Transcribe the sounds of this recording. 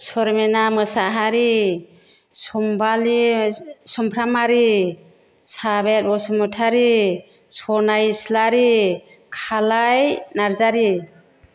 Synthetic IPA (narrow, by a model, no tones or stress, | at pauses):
sɔɾmenamɯsaɦaɾi | sɔmbali | sɔmpʰɾamaɾi | sabet̚bɔsɔmɔtʰaɾi | sɔnajslaɾi | kʰalajnaɾzaɾi